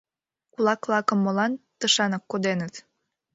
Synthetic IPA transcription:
kulɑkvlɑkə̆mːolɑnt̪əʃɑnəkːod̪enət̪

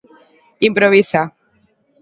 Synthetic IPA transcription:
impɾoβisa

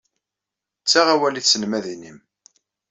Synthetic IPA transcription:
t͡sːaʁæwæliθsənmæðinim

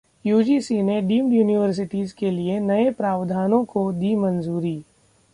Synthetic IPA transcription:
juːd͡ʒiːsineɖiːmɖjuːnɪʋəɾs̬ɪʈiːzkelienɐepɾaːʋd̪ʱaːnõkod̪iːmɐnzuːɾiː

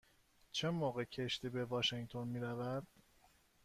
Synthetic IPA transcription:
t͡ʃʰemoːɣecʰeʃt̪ʰiːbe̞vɒːʃeŋt̪ʰonmiːɾævæd̪̥

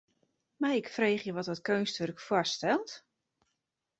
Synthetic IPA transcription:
majɪkfreːχjəʋɔtɔtkøːnstørkfwɔstɛlˠt

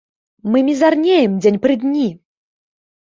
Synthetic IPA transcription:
mɨmʲizarnʲejɛmd͡zʲenʲpɾɨd̪ʲnʲi

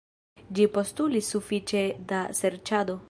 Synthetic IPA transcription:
d͡ʒipo̞stulisːufit͡ʃe̞daseɾt͡ʃado̞

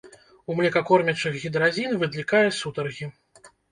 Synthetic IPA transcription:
umlʲɛkɐkɔrmʲɛt͡ʂɨɣɣʲid̪ɾazʲinvɨd̪lʲikajɛsut̪ɐrɣʲi

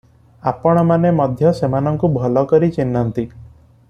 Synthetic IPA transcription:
apɔɽ̃ɔmanemɔd̪ʱjɔsemanɔŋkubʱɔlɔkɔɾit͡ʃinːant̪i

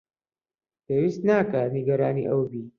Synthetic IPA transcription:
pʰeːwist̪naːkɐniɡɐɾaːnḭʔɐwbiː

